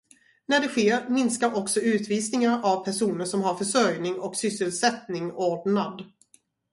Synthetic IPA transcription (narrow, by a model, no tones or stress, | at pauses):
næɖɛɧeːɾmɪnskaɾʔɔksɔʉ̟ːt̪viːsnɪŋaɾavpʰæʂuːnəʂɔmɦaɾfœʂœɾjnɪŋɔksʏsːəlsɛt̪nɪŋoːɖɳad̪